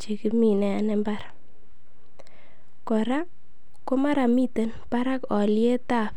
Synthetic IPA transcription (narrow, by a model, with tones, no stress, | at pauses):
t͡ʃi˨ki˨mi˨nɛ˨a˨nɛ˦mba˦ɾ | kɔ˨ɾa˦ | ko˦ma˦ɾa˨mi˦te˦npa˦ɾa˦kɔ˨lje˦ta˦˨f